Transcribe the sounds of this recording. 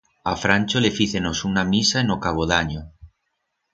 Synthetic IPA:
afɾanʲt͡ʃole̞fiθenosunamisaenokaβ̞oðaɲo

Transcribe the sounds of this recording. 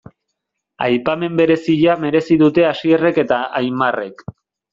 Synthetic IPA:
a̰jpame̞mbe̞ɾe̞siʎame̞ɾe̞siðut̪e̞asiere̞ke̞t̪aajmare̞k

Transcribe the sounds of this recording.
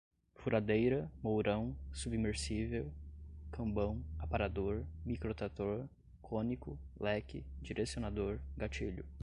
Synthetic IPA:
fuɾʔad̪ejɾɐmowɾɐ̃w̃subimeɾsivewkʰɐ̃mbɐ̃w̃apaɾad̪oɾmikɾot̪at̪oɾ | kʰõnikʊlɛkɪ̰d͡ʒiɾʔesionad̪oɾɡat͡ʃiʎʊ

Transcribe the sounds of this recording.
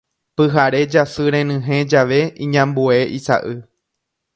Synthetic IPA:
pɨɦaɾe̞d͡ʒasɨɾẽnɨ̃ɦẽ̞d͡ʒaʋe̞ĩɲãmbue̞ʔisa̰ʔɨ

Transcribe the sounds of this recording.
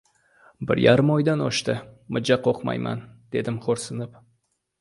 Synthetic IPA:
bɪɾjaɾɪmɒjd̪anɒʃt̪ɪmʊd͡ʒaqʰoqma̰jma̰nd̪̥e̞d̪ɪmχoɾsɪnɪp

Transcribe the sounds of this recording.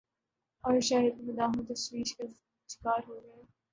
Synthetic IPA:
ɔːɾʃaːjəd̪̚mɐd̪aːɦũt̪ɐʃwiːʃka | t͡ʃɪ̥kaːɾɦoːɡɐeː

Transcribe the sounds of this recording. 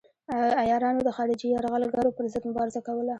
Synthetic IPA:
ajɑɾɑnod̪əxɑɾɪd͡ʒijɑɾɣalɡaɾopəɾzəd̪mʊbɑɾɪzakawəla

